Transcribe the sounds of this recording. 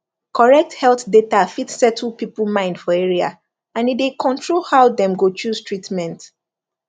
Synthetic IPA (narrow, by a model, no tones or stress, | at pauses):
kʰɔɹɛk̚thɛlθdetafitsɛtʰl̩pipl̩mãɪ̃ndfɔeɹia̰ | ãnidekʰɔ̃ntʰɹolhaʊdɛ̃mɡot͡ʃuztʰɹitmɛ̃nt